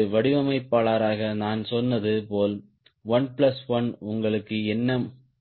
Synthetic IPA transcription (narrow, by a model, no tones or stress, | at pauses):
ɯʋɐɽɪʋɐmɐɪpːaːɭaːɾaːɣɐnaːnsɔnːɐðɯpoːl | ʋɐnpɭɐsʋɐnʊŋɡɐɭɯkːɯɛnːɐm